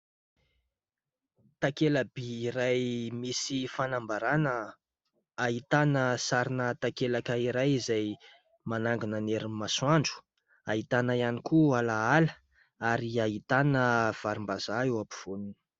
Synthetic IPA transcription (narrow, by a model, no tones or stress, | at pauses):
t̪akelabiːɾajmisifanambaɾanə | aɦit̪anəsaɾinət̪akelakəiɾajizaj | manaŋɡunaneɾimaswaɳɖ͡ʐu̥ | aɦit̪anəianikualaalə | aɾiaɦit̪anəv̥aɾimbazaewapu̥v̥ununə̥